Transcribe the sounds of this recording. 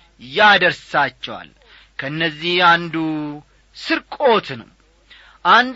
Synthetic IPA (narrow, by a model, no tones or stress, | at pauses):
jad̪əɾsat͡ʃːɛwa̰l | kʰəɨnːəzːihand̪u | sɨɾkʼo̞t̪ʰnə̰w | ʔand̪